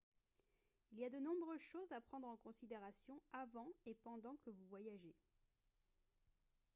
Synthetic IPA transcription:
iliad̪ənɔ̃bʁøzʃozapχɑ̃d̪ʁɑ̃kɔ̃sid̪eʁasjɔ̃avɑ̃epɑ̃d̪ɑ̃kəvuvwajaʒe

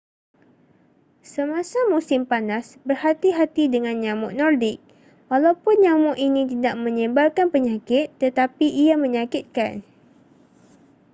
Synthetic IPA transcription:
səmãsamusɪmpanasbərhat̪iɦat̪idəŋãnɲamʊʔnɔrdɪk̚ | walawpʊnɲamʊʔinit̪idaʔmə̃ɲimbalkanpəɲakɪt̪ːət̪apiʔiamə̃ɲakɪt̪̚ka̰n

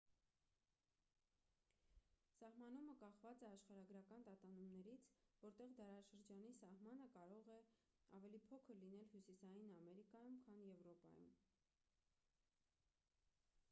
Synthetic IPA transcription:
sɑɦmɑn̪uməkɑχvɑt͡sɛɑʃχɑɾɑɡɾɑkɑnt̪ɑt̪ɑnumnɛɾit͡sʰvɔɾt̪ɛʁd̪ɑɾɑʃəɾd͡ʒɑnisɑhmɑn̪əkɑɾɔʁɛ | ɑvɛlipʰɔkʰəɾlin̪ɛlhjusisɑjinɑmɛɾikɑjumkʰɑnjɛvɾɔpɑ̰jṵm

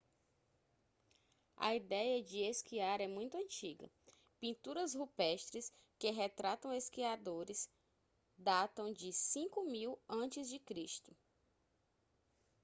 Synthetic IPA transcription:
ɐ̰id̪ɛjɐd͡ʒɪeskiaɾɛmũj̃t̪ʊɐ̃t͡ʃiɡɐ̰ | pĩnt̪uɾɐshupɛʃt̪ɾɪs | kɪɦet̪ɾat̪ɐ̃w̃eskiad̪oɾɪs | d̪at̪ɐ̃w̃d͡ʒɪsĩkʊmiwɐ̃t͡ʃɪzd͡ʒɪkɾiʃt̪ʊ

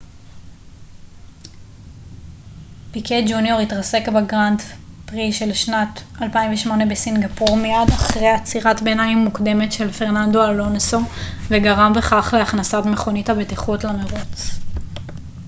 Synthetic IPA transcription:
pikʰed͡ʒunjo̞ʁitʁase̞kbeɡʁandpʁiʃe̞lʃnatalpaiɱveʃmo̞ne̞besinɡapuʁmejadaχʁejat͡siʁatbenaimːukde̞me̞tʃe̞lfe̞ʁnandoalonsoveɡaʁambe̞χaχle̞aχnasatme̞χo̞nithabetiχutlameʁot͡s

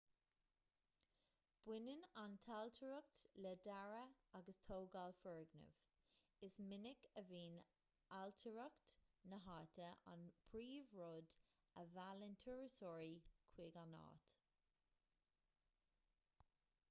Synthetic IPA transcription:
b̥wɪnənantʰaltʰəɹək̚tlɛdaɹəaɡəstʰoːɡalfɛɹɡnə̰v | ɪsmɪnɪkəviːn | altʰəɹəktnəɦatəʔa̰npʰɹiːvɹɔd | əvaləntʰuɹəsɔːɹikʰw̥ɪɡanɑ̰ːt

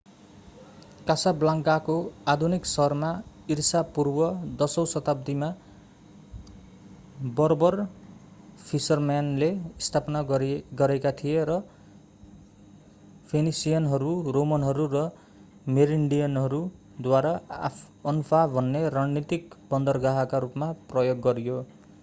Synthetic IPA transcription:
kasablaŋkakoad̪ʱuniksʌrma | irsapurbʌd̪ʌsʌwsʌt̪ab̚d̪ima | bʌɾobʌr | pʰisʌrmanleist̪ʰapʌnaɡʌɾekat̪ʰijeɾʌ | pʰenisijanɦʌɾuromʌnɦʌɾuɾʌ | meɾiɳɖijʌnɦʌɾu | d̪waɾa | ʌnpʰabʱʌnːeɾaɽnit̪ikbʌnd̪ʌrɡaɦakaɾupmaprʌjoɡːʌɾijo

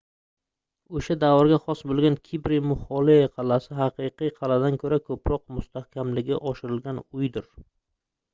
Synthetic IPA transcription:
oʃad̪avɒɾɡʲaχɒsbolˠɡʲankʲʰibɾɪmʊhɒlˠiqʰɑlasɪɦɑqɨqɨjqʰɑlad̪ankʰɵɾakʰɵpɾɒq̚mʊst̪ʰahkʲʰamlɪɡʲɪʔɒʃɪɾɪlɡʲanʊjd̪ɪɾ

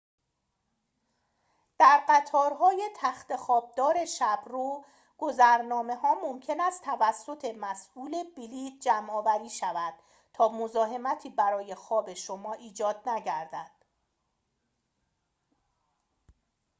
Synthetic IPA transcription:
d̪̥æɾɢæt̪ʰɒːɾɦɒːje̞t̪ʰæxt̪e̞xɒːb̚d̪ɒːɾe̞ʃæbɾuː | ɡ̥ozæɾnɒːme̞ɦɒːmomcʰe̞næst̪ʰævæsːo̞t̪ʰe̞mæsʔuːle̞bilit̪̚d͡ʒæmɒːvæɾiːʃævæd̪̥ | t̪ʰɒːmo̞zɒːɦe̞mæt̪ʰiːbæɾɒːje̞xɒːbe̞ʃomɒːʔiːd͡ʒɒːd̪̥̚næɟæɾd̪æd̪̥

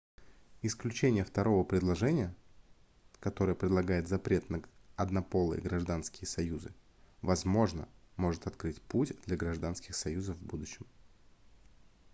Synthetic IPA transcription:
ɪsklʲʉt͡ɕenʲɪjəft̪ɐɾo̞vəpɾʲɪd̪lˠɐʐɛnʲɪjə | kɐt̪o̞ɾəjəpɾʲɪd̪lˠɐɡajɪt̪zɐpɾʲet̪nəɐd̪nɐpo̞lˠɨ̰jə̰ɡɾɐʐd̪anskʲɪjəsɐjuzɨ | vɐzmo̞ʐnə̰mo̞ʐɨt̪ɐt̪kɾɨtʲputʲd̪lʲɐɡɾɐʐd̪anskʲɪxsɐjuzəfvbud̪ʊɕːɪm

